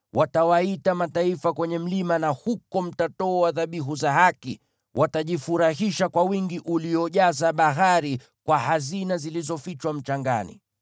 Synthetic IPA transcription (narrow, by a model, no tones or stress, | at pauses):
wʔatawaitamataifakwɛɲɛm̩limanahukɔm̩tatɔːwaðaɓiɦuzaɦaki | wʔataʄifuɾaɦiʃakwawiŋɡiʔuliɔʄazaɓaɦaɾi | kwahazinazilizɔfit͡ʃwam̩t͡ʃaŋɡa̰nḭ